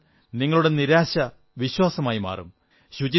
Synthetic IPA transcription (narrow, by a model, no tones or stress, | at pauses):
niŋːɐɭuɽe̞niɾaːɕɐ | ʋiɕwaːsɐmaːjima̰ːrṵm | ɕut͡ɕi